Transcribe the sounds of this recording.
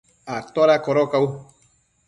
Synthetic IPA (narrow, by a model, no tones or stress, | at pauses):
at̪ɔɾakɔɾɔkawu